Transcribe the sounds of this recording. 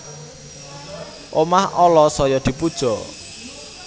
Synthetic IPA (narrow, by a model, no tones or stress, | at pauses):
ʔomahɔlɔsɔjɔd̪̥i̤pud̥ʒ̥ɔ